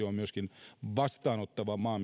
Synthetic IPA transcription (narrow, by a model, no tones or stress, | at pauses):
oommyøskinʋɑst̪ɑːnot̪ːɑʋɑmɑːm